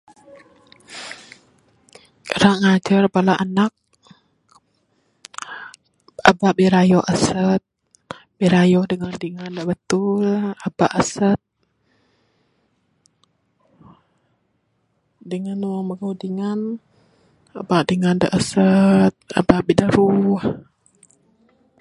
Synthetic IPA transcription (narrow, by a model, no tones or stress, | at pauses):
ɾaʔŋad͡ʒarpalaʔanak̚ | abaʔbiɾajɔʔasət̪̚ | biɾajɔhdəŋandiŋandaʔbət̪ʊlabaʔasət̪̚ | dəŋanwaŋməɡɔhdiŋan | abaʔdiŋanda̰ʔasət̪̚a̰baʔbidəɾuh